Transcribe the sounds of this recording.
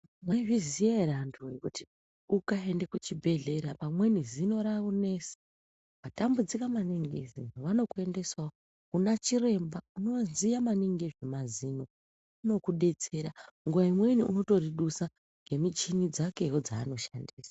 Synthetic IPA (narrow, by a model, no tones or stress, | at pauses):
maivizijaeɾantʰujekuti̥ | ukaendekut͡ʃibʱe̞ɮe̞ɾapamwe̞nizino̞ɾaune̞se̥ | ʋatambud͡zikamaniŋɡḛzḭʋano̞kue̞nde̞swao | kunat͡ʃire̞mbauno̞nzijamaniŋɡeʐemazino̞ | uno̞kuɗe̞t͡se̞ːɾaŋɡuʋaimwe̞niʔuno̞to̞riɗusa | ŋɡe̞mit͡ʃinid͡zake̞ɦod͡zaːno̞ʃandiːsḁ